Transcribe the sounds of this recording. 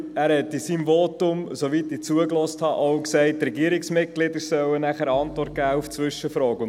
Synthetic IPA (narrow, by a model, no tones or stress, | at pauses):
æːɾhɛt̪isiːmvɔtʊmsoʋitiːt͡suəklɔsthɑʔoʊksɛɪtːɾɛɡiəɾɪksmɪt̚ɡ̥lɪd̪əɾsœwənæχəɾəɑntvɔrt̚ɡ̥æːuft͡sʋʏʃəfɾɔːkʊn